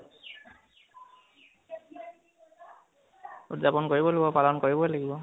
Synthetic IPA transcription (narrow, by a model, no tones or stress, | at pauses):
udzapɔnkoɹibɔlaɡibɔpalɔnkoɹibɔlaɡibɔ